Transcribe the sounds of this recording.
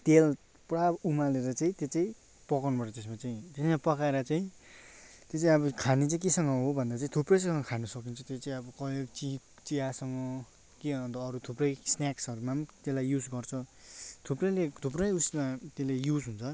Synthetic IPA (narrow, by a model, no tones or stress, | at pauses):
t̪el | pɽabumaleɾʌt͡saĩt̪jet͡saĩ | pʌkʌnubʌʈʌt̪es̬mat͡saĩt̪esmapʌkaeɾʌt͡sãĩ | t̪jet͡sãĩʌbʌkʰanet͡sãĩkesʌŋɡʌɦobʱʌnd̪at͡saĩt̪ʰuprʌjs̬ʌŋʌkʰanʌsʌkint͡sʰʌt̪et͡sãĩʌbʌkʌjoɡt͡sip | t͡siasʌŋɡʌ | kiʌnt̪ʌːɾut̪ʰuprʌjsnaksʌɾumat̪elajjud͡zɡʌrt͡sʰʌt̪ʰuprʌjlet̪ʰuprʌjusmat̪elejud͡zɦunt͡sʰʌ